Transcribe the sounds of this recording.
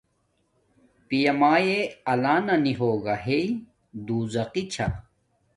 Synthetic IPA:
pijɐmaːjeɐlaːnɐniɦoːɡɐɦei | d̪uːzɐqit͡ɕʰa̰

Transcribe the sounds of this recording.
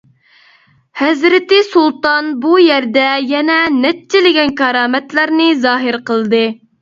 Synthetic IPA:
hɛzɾɪt̪ɪsulˠt̪ɑnbujɛɾd̪ɛjɛnɛnɛt͡ʃːɪlɪɡʲɛnkɑɾɑːmɛt̪læɾnɨzɑːɦɨɾqəlˠɨd̪ɨ

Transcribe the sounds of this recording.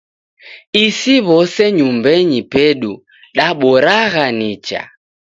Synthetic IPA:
isiβɔsɛɲumbɛɲipɛɗu | ɗaɓɔɾaɣanit͡ʃa̰

